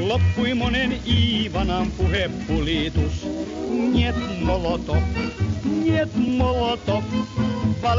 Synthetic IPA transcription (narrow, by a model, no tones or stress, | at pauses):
lopːuimoneniːʋɑnɑmpuhepːulit̪usnniet̪molot̪o | niet̪molot̪okpɑl